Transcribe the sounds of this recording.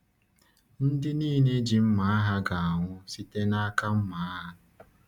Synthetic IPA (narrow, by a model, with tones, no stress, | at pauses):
n̩˦dɪ˦niː˦ne˦d͡ʒi˨m̩˦ma˨˦a˦ɦa˦ɡa˨a˨ŋʷʊ˦si˦te˦na˦a˦ka˦m̩˦ma˨a˦ɦa˦